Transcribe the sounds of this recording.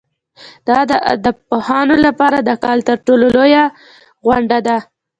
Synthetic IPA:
d̪̥ɑd̪əd̪əpohɑnolapɑɾad̪əkɑlt̪əɾʈololoja | ɣwaɳɖad̪a

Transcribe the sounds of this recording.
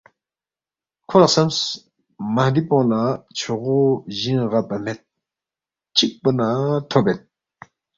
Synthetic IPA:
kʰoraχsams | mand̪ipoŋlat͡ɕʰoχoʑənʁalpam̥et̪̚ | t͡ɕək̚pənat̪ʰopːet̪̚

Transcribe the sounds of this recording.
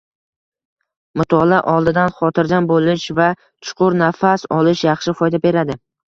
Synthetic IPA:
mʊt̪ʰɒlaʔɒlˠd̪ɪd̪anχɒt̪ʰɪɾd̪anbolɪʃva | t͡ʃʰʊ̥qʰʊɾnafasɒlɪʃjɑχʃɪfɒjd̪abe̞ɾad̪ɪ

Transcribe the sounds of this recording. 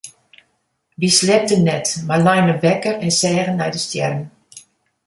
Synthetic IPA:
ʋislɛp̚dənːɛtmarlɛjnəʋɛkərɛnsɛːɣənːɛjdəstjɛ̰rn

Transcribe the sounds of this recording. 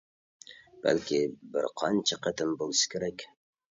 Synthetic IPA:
b̥a̰lkʲʰɪbɪ̰ɾqʰɑnt͡ʃʰaqʰɑt̪ɪmbolˠʃɪ̥kʲʰeɾakʲ

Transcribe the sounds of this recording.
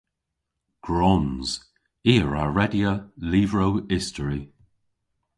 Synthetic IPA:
ɡ̥ɹɔnz̥ | iːɹa̰ɹɛdjəliːvɹowɪstəɹi

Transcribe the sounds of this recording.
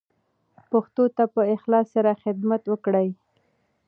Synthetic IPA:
paxt̪ot̪apəɪxlɑsːaɾaxɪd̪mat̪wəkɽəj

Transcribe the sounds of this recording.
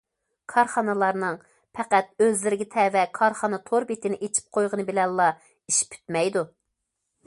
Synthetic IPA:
kʰɑɾχɑnɨlˠɑɾnɨŋ | pʰɛqæt̪̚øzlɪɾɪɡʲɛt̪ʰɛvɛkʰɑɾχɑnɨt̪ʰoɾbet̪ʰɪnɪʔet͡ʃʰi̥p̚qʰojʁənɨbɪlɛnllːɑ | iʃpʰy̥t̪mɛjd̪u

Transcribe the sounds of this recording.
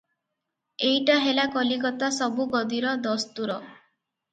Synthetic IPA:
ejʈaɦelakɔlikɔt̪asɔbuɡɔd̪iɾɔd̪ɔst̪uɾɔ

